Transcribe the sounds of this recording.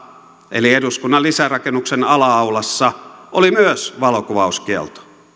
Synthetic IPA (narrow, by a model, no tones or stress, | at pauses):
ḛlieduskunːɑlisærɑkenːuksenɑlɑɑwlɑsːɑʔolimyøsʋɑlokuʋɑuskiḛlt̪o̥